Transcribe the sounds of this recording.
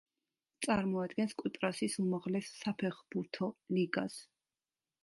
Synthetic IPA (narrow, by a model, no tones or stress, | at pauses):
t̪sʼaɾmɔad̪ɡɛnskʼwit̪ʼɾasisumaʁlɛsːapʰɛχb̥uɾt̪ʰɔliɡas